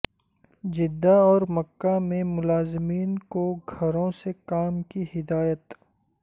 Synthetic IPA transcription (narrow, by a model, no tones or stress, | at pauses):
d͡ʒɪd̪ːaɔːɾmɐkːamẽmʊlaːzɪmiːnkoɡʱɐɾõsekaːmkihɪd̪aːjət̪